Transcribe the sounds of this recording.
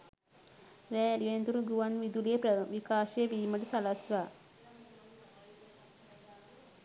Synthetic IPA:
ɾæːliʋend̪uɾuɡuʋanʋid̪ulejepʋikaːʃejeʋiːməʈusalasʋaː

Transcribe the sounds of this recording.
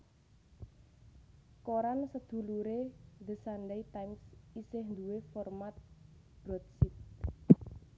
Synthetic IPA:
koɾansəd̪̥ṳluɾeðə̤sandejt̪ajmsisɪhnd̪uwefɔrmat̪̚ | b̥ɾɔt̪̚sit̪̚

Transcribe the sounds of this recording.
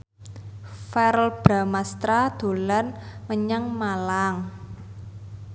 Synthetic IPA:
fɛɾəlb̥ɾamast̪ɾad̪̥o̤lanməɲaŋmalaŋ

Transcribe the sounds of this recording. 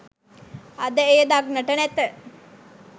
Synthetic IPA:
ad̪əejəd̪aɡnəʈənæt̪ə

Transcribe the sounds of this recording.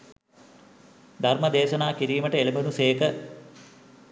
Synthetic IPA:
d̪ʱɐrmɐd̪eːʃɐnaːkiɾiːmɐʈɐelɐmɐnuseːkɐ

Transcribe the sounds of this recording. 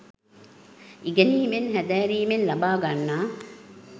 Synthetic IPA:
iɡɐniːmenhæd̪æːɾiːmenlɐbaːɡanːaː

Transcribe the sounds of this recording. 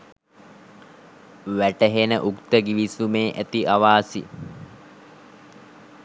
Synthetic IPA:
ʋæʈəɦenəʔukt̪əɡiʋisumeːʔæt̪iʔaʋaːsḭ

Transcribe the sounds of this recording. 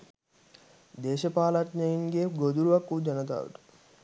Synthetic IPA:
d̪eːʃɐpaːlɐʈnɐjiŋɡeɡod̪uɾuʋɐkːud͡ʒɐnɐt̪̬a̰ːʋṵʈ̪u̥

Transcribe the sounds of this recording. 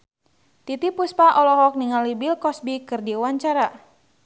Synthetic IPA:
t̪it̪ipuspaʔɔlɔɦɔk̚niŋalibilkɔsbikɨrdiwaɲt͡ʃaɾa

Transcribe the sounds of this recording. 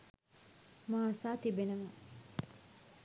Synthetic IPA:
maːsaːt̪ibenəʋɐ

